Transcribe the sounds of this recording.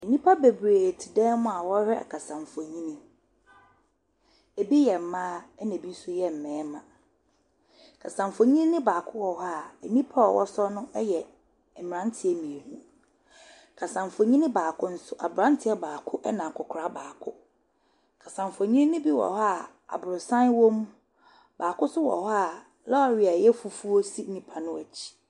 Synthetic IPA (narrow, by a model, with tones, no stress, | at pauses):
e˨nĩ˦pʰa˦be˨bɾe˨tʰi˨dɛ̃˦mʊ̃˦a˨wɔ˦hɛ˦a̰˨kʰa˨sã˨ɱ˨fɔ˨ɲĩ˦nĩ˦ | e˨bi˦jɛ˨m̩˨mã˦ɛ˦nɛ̃˨bi˦n̩˦sʊ˦jɛ˦m̩˨mɛ̃ː˨˦mã˨ | kʰa˨sã˨ɱfo˨ɲĩ˦n˦nɪ̃˦baː˨kʰʊ˦wɔ˨ɦa˦ɛ˨mĩ˦pʰa˦ɔ̰˨wʔɔ̰˦sɔ˦nʊ̃˦ɛ˦jɛ˨ | ɛ˨mɪ̃˨ɾã˦ntʰɪ˦ɛ˦mĩ˨e˨hu˦ | kʰa˨sã˨m˨fo˨ɲĩ˦nɪ̃˦baː˨kʰʊ˦n̩˦sʊ˦ʔa˨bɾã˦n˦tʰɪ˦ɛ˦baː˨kʰʊ˦ʔɛ˦nã˨kʰʊ˨kʰɾa˦baː˨kʰʊ˦ | kʰa˨sã˨ɱ˨fo˨ɲĩ˦n˦nɪ̃˦bi˦wɔ̰˨ha˦˨ | a̰˨bʊ˨ɾʊ˨sã˦nwo˦m˦ | baː˨kʊ˦sʊ˦wɔ̰˨ha˦˨ | lɔ˦a˨ɥɪ˨a˨jɛ˦fu˨fu˦o˦si˦nĩ˨pʰa˨nʊ̃˦æ˨t͡ɕʰi̥˦